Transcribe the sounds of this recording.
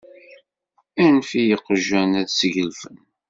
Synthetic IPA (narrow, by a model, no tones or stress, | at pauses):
ænfijəqəʒːænæðsʝəlfən